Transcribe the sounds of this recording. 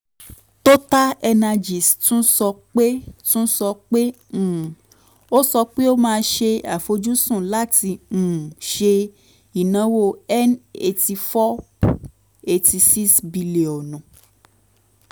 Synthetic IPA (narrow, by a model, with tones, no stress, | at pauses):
to˦ta˦ɛ˧na˧d͡ʒi˨stũ˦sɔ˧k͡pe˦tũ˦sɔ˧k͡pẽ˦˨ | o˦sɔ˧k͡pe˦o˦mãː˧˦ʃe˧a˨fo˧d͡ʒũ˦sũ˦˨la˦tĩ˧˨ʃe˧ | i˨nã˨˦wo˧ɛ˦ne˧ti˧fɔ˦ | e˧ti˧si˦sbi˧le˨ɔ˨nũ˨